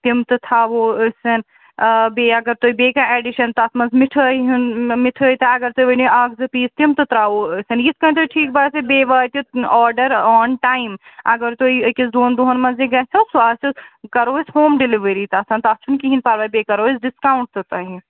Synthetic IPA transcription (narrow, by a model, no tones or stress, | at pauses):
t̪imt̪ɨt̪ʰaʋoːsɐn | beːɐɡɐɾt̪oːibeːkaɛːɖiʃɐnt̪ɐsmɐnzmɪʈʰəɦmɪʈʰəːit̪aɐɡɐɾt̪oʋeniaːkzɐpiːst̪imt̪ɨt̪ɾaːoːsɐnjiskɐ̃nt̪oiʈʰiːk̚baːsebeːʋaːt̪iɔːɾɖəɾɔːnʈaːɪmɐɡɐɾt̪oːikisd̪oːnd̪oɦɐnmɐnzeɡɐt͡ʃʰɐsaːsikɐɾoːisɦoːmɖɪliʋeɾit̪aːsɐːnt̪ɐt͡ʃʰunkiɦinpaːɾʋaːbeːkɐɾoːisɖɪskaːʊɳʈ̚t̪ɨt̪ɐɦĩ